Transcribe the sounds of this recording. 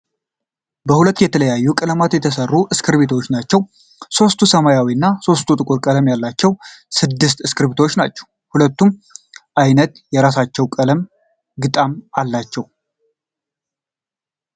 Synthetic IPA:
bəhulət̪ːjɛt̪ʰələjajːukʼələmat̪jɛt̪ʰəsərːuʔɨskʰɨɾβet̪ʰwot͡ʃːnat͡ʃːɛw | so̞st̪ʰusəmajawiɨnːaso̞st̪ʰut̪ʼɨkʼuɾkʼələmjalːat͡ʃːɛwsɨd̪ːɨst̪ɨskʰɨɾbit̪wot͡ʃːnat͡ʃːɛ̥w | hulət̪ːum | ʔajnət̪jɛɾasat͡ʃːɛwkʼələm | ɡɨt̪ʼamalːat͡ʃːɛw

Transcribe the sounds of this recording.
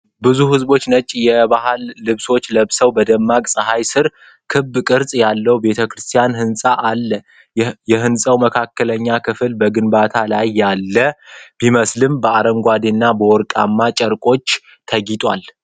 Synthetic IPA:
bɨzuhɨzbo̞t͡ʃːnət͡ʃʼːijɛbaɦalːɨβso̞t͡ʃːləβsəwbəd̪əmːakʼsʼəɦajsɨɾ | kʰɨbːkʼɨɾsʼjalːəwbe̞t̪ʰəkɾɨst̪ʰijanhɨnsʼaʔalːə | jɛɦɨnsʼəwməkʰakːələɲːakʰɨfɨlbəɡɨnbat̪ʰalajːalːəbiməslɨmbəaɾəŋɡʷad̪inːabəwɔɾkʼa̰mːat͡ʃʼəɾkʼo̞t͡ʃː | t̪ʰəɡit̪ʼwa̰l

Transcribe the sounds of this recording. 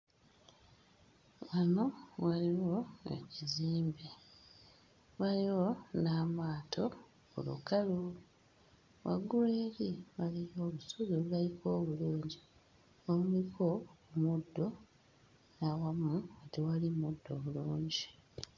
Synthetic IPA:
wano̞waliwo̞ḛciziːmbe | βaliwo̞naːmaːtʰo̞ | ṵlṵkalu | wʔa̰ɡuɾeːliβalijo̞ːβusozoβulajiko̞ːβuluːɲɟi | wamuikʰo̞mudːo̞ | nawamuatiwalimudːoβuluːɲɟi

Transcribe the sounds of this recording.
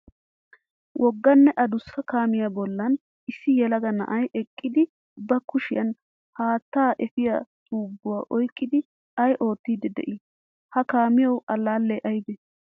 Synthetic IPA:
wʔɔɡːɐnːɛʔɐd̪ʊsːɐkaːmɪjɐbɔlːɐn | ɪsːɪjɛlɐɡɐnɐ̰ʔɐjʔɛkʼːɪd̪ɪ | bɐkʊʃɪjɐn | haːt̪ːaːʔɛfɪjɐsʼuːbːʊwaːʔɔjkʼːɪd̪ɪ | ɐjʔo̞ːt̪ːiːd̪ɛd̪ɛ̰ʔɪ | hɐkaːmɪjɐwɐlːaːlːɛʔɐjbɛ

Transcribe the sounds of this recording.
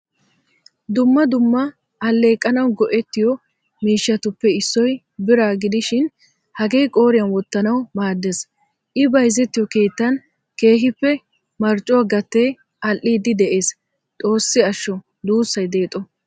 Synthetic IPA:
d̪ʊmːɐd̪ʊmːɐ | ɐlːe̞ːkʼːɐnɐwɡɔʔɛt̪ːɪjɔ | miːʃːɐt̪ʊpːɛɪsːɔj | bɪɾaːɡɪd̪ɪʃɪn | hɐɡe̞ːjkʼo̞ːɾɪjɐnwɔt̪ːɐnɐwmaːd̪ːes | ʔɪbɐjzɛt̪ːɪjɔke̞ːt̪ːɐn | ke̞ːɦɪpːɛ | mɐɾt͡ʃʼɔaɡɐt̪ːeː | ɐlʔːiːd̪ɪd̪ɛʔe̞ːs | t̪ʼo̞ːsːɪɐʃːɔ | d̪uːsːɐjd̪e̞ːt̪ʼːɔ

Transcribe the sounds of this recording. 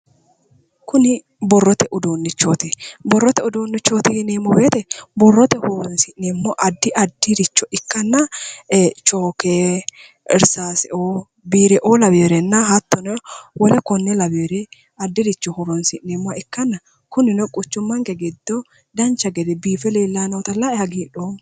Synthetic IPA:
kʊnɪ | bɔrːɔt̪ɛʔʊd̪oːnːɪt͡ʃːoːt̪ɪbɔrːɔt̪ɛʊd̪oːnːɪt͡ʃːoːt̪ɪhneːmːɔbeːt̪ɛbɔrːɔt̪ɛhʊɾɔnsɪʔneːmːɔʔɐd̪ːɪʔɐd̪ːɪɾɪt͡ʃːɔʔɪkːɐnːɐ | t͡ʃoːkeː | ʔɪ̰ɾsaːsɛʔoː | biːɾɛʔoːlɐbeːɾɛnːɐɦɐt̪ːɔnɔwɔlɛkɔnːɛlɐbeːɾɛ | ɐd̪ːɪɾɪt͡ʃːɔhʊɾɔnsɪʔːemːʊɐɪkːɐnːɐ | kʊnɪnɔkʼʊt͡ʃːʊmːɐŋkɛɡɛd̪ːɔ | d̪ɐnt͡ʃːɐɡɛd̪ɛbiːfɛleːlːaːnoːt̪ɐlːaɛhɐɡiːᶑoː

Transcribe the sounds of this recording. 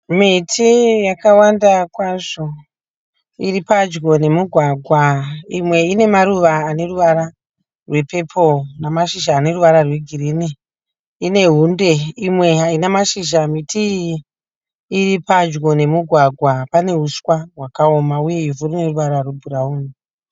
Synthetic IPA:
mitʰijakawandakwaʐo̞ | iripad͡ʒɡo̞ne̞muɡʱwaɡʱwaimwe̞ine̞maɾuʋaːne̞ruʋaɾa | rwe̞pe̞pʰonamaʃiʒaːne̞ruʋaɾarwe̞ɡʱirini | ine̞ɦunde̞imwe̞ɦainamaʃiʒamitʰi | ripad͡ʒɡo̞ne̞muɡʱwaɡʱwapane̞ɦuskwaɦwakao̞mauje̞ivurine̞ruʋaɾarwebʱuɾauːni

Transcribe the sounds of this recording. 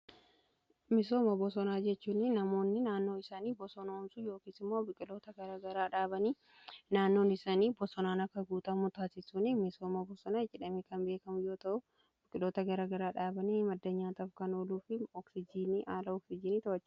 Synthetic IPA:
mɪso̞ːmɐbɔsɔnaːd͡ʒɛt͡ʃːuːnɪnɐmo̞ːnːɪnaːnːo̞ːɪsaːniːbɔsɔnɐɔmsujo̞ːkiːsɪmːoːbɪkʼɪlo̞ːt̪ɐɡɐɾaːɡɐɾaːᶑaːbɐniː | naːnːo̞ːnɪsaːniːbɔsɔnaːnɐkːɐɡuːt̪ɐmʊt̪aːsɪsunɪmɪso̞ːmɐbɔsɔnaːd͡ʒɛᶑɐmekɐnbe̞ːkɐmʊjo̞ːt̪ɐʔʊ | b̥ɪkʼɪlo̞ːt̪ɐɡɐɾaːɡɐɾaːᶑaːbɐnimɐd̪ːɐɲːaːt̪ɐfkɐno̞ːluːfɪɔksɪd͡ʒiːniʔaːlɐɔksɪd͡ʒiːniːt̪ɐɐt͡ʃː

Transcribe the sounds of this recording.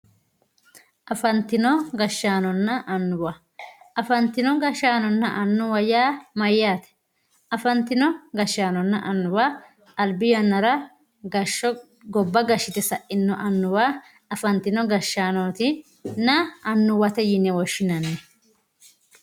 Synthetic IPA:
ʔɐfɐnt̪ɪnɔɡɐʃːaːnɔnːɐʔɐnːʊwɐ | ɐfɐnt̪ɪnɔɡɐʃːaːnɔnːɐʔɐnːʊwɐjaːmɐjːaːt̪ɛ̥ | ɐfɐnt̪ɪnɔɡɐʃːaːnɔnːɐʔɐnːʊwa | ɐlbɪjɐnːɐɾɐ | ɡɐʃːɔ | ɡɔbːɐɡɐʃːɪt̪ɛsɐʔɪnːɔʔɐnːʊwa | ɐfɐnt̪ɪnɔɡɐʃːaːnoːt̪ɪ | nɐɐnːʊwɐt̪ɛjɪnːɛwɔʃːɪnɐneː

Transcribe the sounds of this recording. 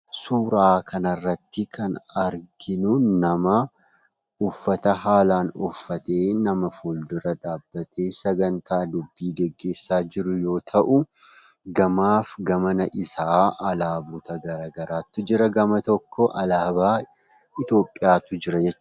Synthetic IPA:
suːɾaːkʰɐnɐrːɐt̪ːɪkʰɐnɐɾɡɪnʊnɐmɐ | ʊfːɐt̪ɐɦaːlaːnʊfːɐt̪e̞ːnɐmɐfuːld̪ʊɾɐᶑaːbːɐt̪ʰeːsɐɡɐnt̪aːd̪ʊbːiːɡɛɡːe̞ːsːaːd͡ʒɪɾʊjo̞ːt̪ʰɐʔʊ | ɡɐmaːfɡɐmɐnɐʔɪsaːʔɐlaːbʊt̪ɐɡɐɾaːɡɐɾaːt̪ːʊd͡ʒɪɾɐɡɐmɐt̪ɔkːɔʔɐlaːbaː | ɪt̪o̞ːpʼːɪjaːt̪ʊd͡ʒɪɾɐd͡ʒɛt͡ʃː

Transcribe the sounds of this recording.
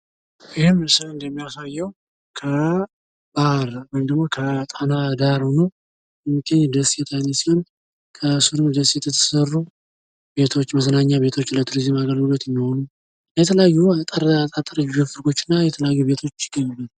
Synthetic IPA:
ɪhɪmsɨɨnd̪ɛmːijasajːɛw | kʰə | b̥aɾwɔjmd̪əɡmo̞kʰət̪ʼanad̪aɾhonu | ɛmɨɡəɲːd̪əsjɛt̪ʰajnesihon | kʰəsɨɾɨmd̪əsjɛt̪ʰːət̪ʰːə̥sərːu | be̞t̪ʰo̞t͡ʃːməzənaɲːaβe̞t̪ʰo̞t͡ʃːlət̪ʰɨɾizɨmaɡəlɡulot̪jɛmːiho̞nu | jɛt̪ʰələjajːut̪ʼəɾt̪ʼat̪ʼɾiofɨɾko̞t͡ʃːɪnːajɛt̪ʰələjajːuβe̞t̪ʰo̞t͡ʃːjɪɡəɲːɪbən

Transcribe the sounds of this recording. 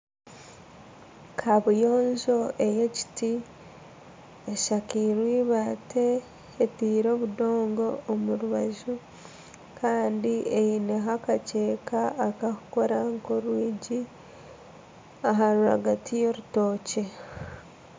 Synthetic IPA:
kʰaβujo̞ːnzo̞ʔe̞je̞ci̥ti | eʃakiɾwiːβate̞ː | tiːɾo̞ːβudo̞ːŋɡo̞ːmuɾuβaʒu | kʰaːndiejineɦakace̞ːkaːkaku̥ko̞ɾaŋko̞ɾwiːɟi | aɦaɾuha̰ɡatijoɾuto̞ːce̞

